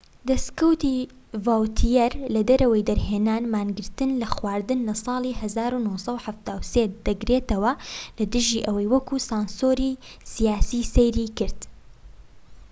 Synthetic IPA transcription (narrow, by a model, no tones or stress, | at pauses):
d̪ɐskɐwt̪i | vaːwt̪ʰijɛɾlɐd̪ɐɾɐwɐjd̪ɐɾɦeːnaːnmaːnɡɨɾt̪ɨnlɐxwaːɾd̪ɨnlɐsˤɑːlˠiːhɐzaːɾunoːsˤɐwħaft̪aːwseːd̪̥ɐɡɾeːt̪ɐwɐlɐd̪ɨʒiːʔɐwɐjwɐkuːsɑːnsoːɾiː | sijaːsiːsejɾiːkɨɾd̪